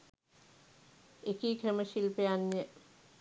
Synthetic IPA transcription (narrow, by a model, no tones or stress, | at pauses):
ekiːkʰeməʃilpeanːijə